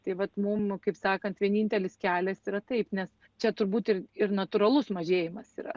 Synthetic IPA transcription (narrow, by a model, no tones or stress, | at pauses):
t̪ɐɪʋɐt̪mʊmkɐɪpsɑːkɐnt̪ʋʲiɛnʲiːnʲt̪ʲɛlʲɪskʲæːlʲɛsiːɾɐt̪ɐɪpnʲɛs | t͡ʃʲɛt̪ʊɾbuːt̪ɪrɪrnɐt̪ʊːɾɐlˠʊsmɐʒʲeːjɪmɐsiːɾɐ̰